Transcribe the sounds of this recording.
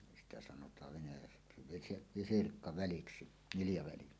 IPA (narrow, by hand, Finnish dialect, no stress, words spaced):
sitæ sɑnotˑɑːʋ ʋenæjæksi ʋisi ʋisirkːɑʋæliksi niljɑʋæli